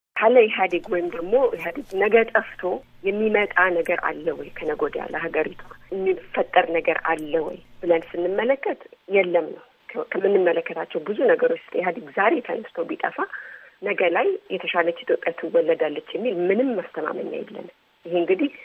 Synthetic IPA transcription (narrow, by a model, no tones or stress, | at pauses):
kʰaləjɛɦad̪əɡwɔjɪmd̪əɡmo̞jɛɦad̪əɡnəɡət̪ʼəft̪ʰo̞ | jɛmːimət̪ʼanəɡəɾʔa̰lːəwɔjkʰənəɡod̪ja̰lːəɦaɡəɾit̪ʰu̥mːifət̪ʼːəɾnəɡəɾa̰lːəwɔ̰jb̥ɨlənsɨnːɨmːələkːət̪jɛlːəmnəw | kʰkʰəmɨnːɨmːələkːət̪ʰat͡ʃːɛwbɨzunəɡəɾo̞t͡ʃːsɨ̥jɛɦad̪əɡzaɾe̞t̪ʰənəst̪ʰobit̪ʼəfanəɡəlajjɛt̪ʰəʃalət͡ʃːhɪt̪ʼopʼːat̪ʰɨwɔlːəd̪alːət͡ʃːjɛmːilmɨnɨmːast̪ʰəma̰mənːa̰jɛ̰lːə̰nm | jɪɦeɨŋɡɨd̪ih